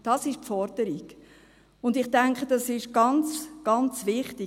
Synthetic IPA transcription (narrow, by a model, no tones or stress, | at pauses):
d̥ɑsɪʃpfɔɾd̥əɾiɡ | ʊndɪχtæŋkχəd̥ɑsɪʃɡ̥ɑnt͡sɡ̥ɑnt͡sʋɪχti